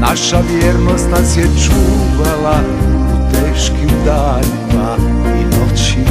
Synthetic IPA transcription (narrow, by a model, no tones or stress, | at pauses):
naʃaʋjeɾno̞st̪nasjɛt͡ʃuːʋalaut̪eːʃkiud̪aːʎɛna | inot͡ʃi